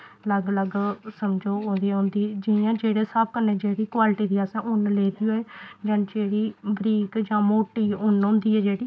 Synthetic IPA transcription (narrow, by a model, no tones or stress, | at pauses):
ələɡələɡsəmd͡ʒoːɦõːnd̪iãɦʊ̃ːnd̪iːd͡ʒɪjãːd͡ʒeːɽeːsəb̚kənːẽːd͡ʒeːɾiːkwaːlʈiːd̪iːaːsɛ̃ːʔʊnleːd̪iːɦoːeːd͡ʒə̃ːnd͡ʒeːɽiːbɾiːkd͡ʒãːmoːʈiːʊnɦõːnd̪iːɛːd͡ʒeːɽiː